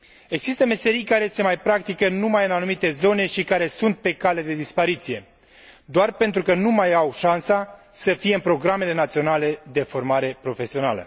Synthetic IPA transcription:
e̞ɡz̥ist̪əme̞se̞ɾijkaɾe̞se̞majpɾakt̪ikənumajɨnanumit̪e̞zo̞ne̞ʃikaɾe̞sunt̪̚pe̞kale̞d̪e̞d̪ispaɾit̪sije̞ | d̪oarpe̞nt̪ɾukənumajawʃansa | səfijeɨmpɾo̞ɡɾame̞le̞nat̪sio̞nale̞d̪e̞fo̞rmaɾe̞pɾo̞fe̞sio̞na̰lə̰

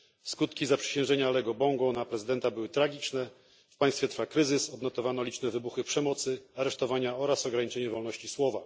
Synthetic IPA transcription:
skut̪kʲizapʂɛ̥ɕɛ̃w̃ʐɛɲalɛɡɔbɔŋɡnapɾɛzɘd̪ɛnt̪abɘwɘt̪ɾaɡʲit͡ʂnɛ | fpaj̃st̪fʲjɛt̪ɾfakɾɘzɘsɔd̪nɔt̪ɔvanɔlʲit͡ʂnɛvɘbuxɘpʂɛmɔt̪sɘaɾɛʂt̪ɔvaɲaɔɾasɔɡɾaɲit͡ʂɛɲɛvɔlnɔɕt͡ɕiswɔva

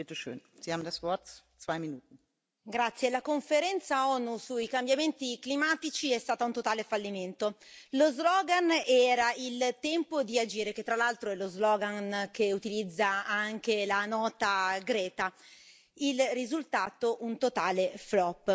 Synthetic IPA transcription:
bet̪oʃø̰ːnziaːbm̩dasvɔɾt̪ | svajminuːt̪n̩ | ɡɾat̪sːjelakoɱfeɾɛnt̪saɔnusuikambjament̪iklimaːt̪it͡ʃiɛst̪aːt̪aunt̪ot̪aːlefalːiment̪olozlɔːɡanɛːɾailt̪ɛmpod̪iad͡ʒiːɾeket̪ːɾalalt̪ɾoɛlozlɔːɡankeut̪ilid̪zːaaŋk̟elanɔːt̪aɡɾɛːt̪a | ilrizult̪aːt̪oʔunt̪ot̪aːleflɔpː

